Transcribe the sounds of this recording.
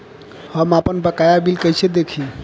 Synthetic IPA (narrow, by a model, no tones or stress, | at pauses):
həmapənbəkajabilkəjt͡ʃʰed̪ekʰi